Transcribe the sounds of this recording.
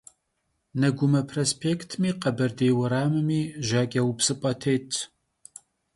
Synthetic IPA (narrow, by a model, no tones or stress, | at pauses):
nɐɡʷʊmɐpʰrospʰeːkʰtʰmiːqɐbɐrdeːwɐɾaːmɨmiːʒaːkʲʼɐwpsɨpʼɐtʰeːtʰ